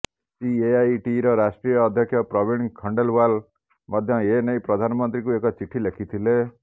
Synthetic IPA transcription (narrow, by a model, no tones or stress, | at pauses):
sieajʈiɾɔɾasʈɾijɔːd̪ʱjɔkʰjɔpɾɔbʱinkʰɔɳɖelwal | mɔd̪ʱjɔenejpɾɔd̪ʱanɔmɔnt̪ɾikuekɔt͡ʃiʈʰilekʰit̪ʰile